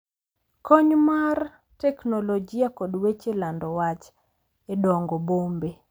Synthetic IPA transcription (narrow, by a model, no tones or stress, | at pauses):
koɲmar | tɛknolod͡ʒijakɔdwet͡ʃelandɔwat͡ʃ | edɔŋɡɔbombe